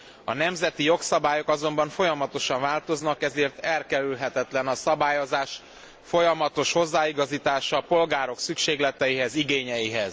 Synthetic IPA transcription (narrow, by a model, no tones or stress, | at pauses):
ɒ̰nɛmzɛt̪ijo̞ksɒbaːjo̞kɒzo̞mbɒɱfo̞jɒmɒt̪o̞ʃɒɱvaːlt̪o̞znɒkɛzeːrt̪ɛlkɛɾylɦɛt̪ɛt̪lɛnɒsɒbaːjo̞zaːʃ | fo̞jɒmɒt̪o̞ʃho̞zːaːiɡɒziːt̪aːʃɒpo̞lɡaːɾo̞ksykʃeːɡlɛt̪ɛjiɦɛziɡeːɲɛjiɦɛz̥